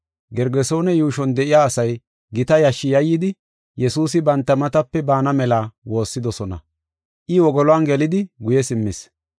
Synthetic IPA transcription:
ɡɛɾɡɛso̞ːnɛjuːʃɔnd̪ɛʔɪjaːsɐj | ɡɪt̪ɐjɐʃːɪjɐjːɪd̪ɪ | jɛsuːsɪbɐnt̪ːɐmɐt̪ɐpːɛbaːnɐmɛlaːwo̞ːsːɪd̪ɔsɔnɐ̰ | ʔɪwɔɡɔlɔanɡɛlɪd̪ɪɡʊjɛsɪmːɪs

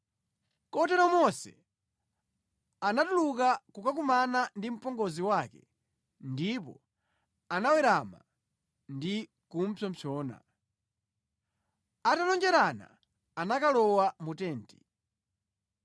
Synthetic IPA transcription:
kɔtɛɾɔmɔsɛ̰ | anatulukakukak̬umanandim̩pɔŋɡɔziwakɛ | ndip̬ɔ̰ | anawɛɾama̰ | ndi | kum̩pʰɔm̩pʰɔːna̰ | atalɔnd͡ʒɛɾana̰ː | nakalɔwamutɛːnti

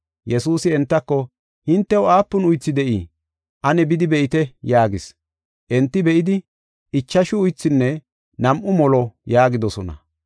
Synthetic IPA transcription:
jɛsuːsɪɛnt̪ːɐkːɔ | hɪnt̪ːɛʊaːpːʊnʊjt͡sːɪd̪ɛʔi | ʔɐnɛbɪd̪ɪbɛʔɪt̪ɛjaːɡɪs | ʔɛnt̪ːɪbɛʔɪd̪ɪ | ʔɪt͡ʃːɐʃʊʊjt͡sːɪnːɛ | nɐmʔʊmɔlɔjaːɡɪd̪ɔsɔnɐ̰

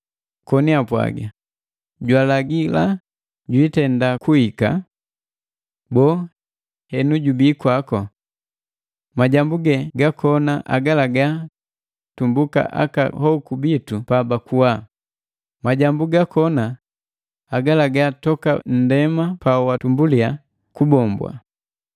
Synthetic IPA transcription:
kɔniapwa̰ɡa̰ | ɟwalaɡila | ɟwitɛndakuhika̰ | bɔː | hɛnuɟubiːkwakɔ | maɟambuɡɛɡakʰɔnaʔa̰ɡalaɡa | tumbuka̰ʔa̰ka̰hɔkubitupabakuwa | maɟambuɡakɔna | aɡalaɡatɔka̰n̩dɛmapawatumbulia | kubɔmbwa̰

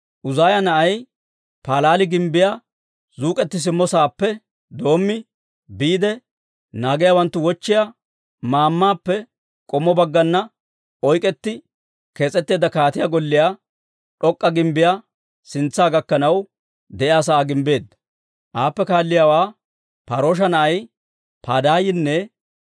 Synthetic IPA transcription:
ʔʊzaːjɐnɐʔɐj | paːlaːlɪɡɪmbɪja | zuːkʼɛt̪ːɪs̬ɪmːɔsaːpːɛ | d̪o̞ːmːɪ | biːd̪ɛ | naːɡɪjawɐnt̪ːʊwɔt͡ʃːɪja | maːmːaːpːɛ | kʼɔmːɔbɐɡːɐnːɐ | ɔjkʼɛt̪ːɪ | ke̞ːt͡sʼɛt̪ːe̞ːd̪ɐkaːt̪ɪjaːɡɔlːɪjaː | ᶑɔkʼːɐɡɪmbɪjaː | sɪnt͡sːaːɡɐkːɐnɐw | d̪ɛʔjaːs̬aːɡɪmbe̞ːd̪ːɐ̥ | ʔaːpːɛkaːlːɪjaːwaː | pɐɾoːʃ̬ɐnɐʔɐj | paːd̪aːjɪnːɛ

